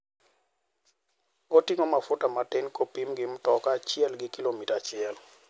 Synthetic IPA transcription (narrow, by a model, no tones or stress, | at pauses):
otiŋomafʊtamatɪnkopimɡɪmtɔkat͡ʃɪɛlɡɪkilomitat͡ʃɪɛl